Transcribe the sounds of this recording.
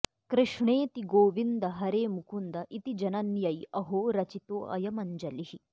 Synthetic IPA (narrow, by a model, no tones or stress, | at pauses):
kɾɪʂɳeːt̪iɡoːʋind̪ɐɦɐɾeːmukʰund̪ɐʔit̪id͡ʒɐnɐnjɐjɐɦoːɾɐt͡ʃit̪oːʔɐ̰jɐmɐɲd͡ʒɐlihi